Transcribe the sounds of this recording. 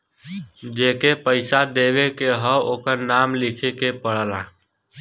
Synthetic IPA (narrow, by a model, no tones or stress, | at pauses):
d͡ʒeːkepəɪsad̪eʋekeɦəoːkəɾnaːmlɪkʰekepəɽ̤əla